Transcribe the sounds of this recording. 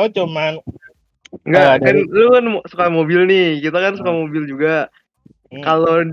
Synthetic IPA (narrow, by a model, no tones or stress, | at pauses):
ot͡ʃuman | ŋɡakanlunmosukamobɪlnɪhkit̪akansukamobɪld͡ʒuɡa | kalo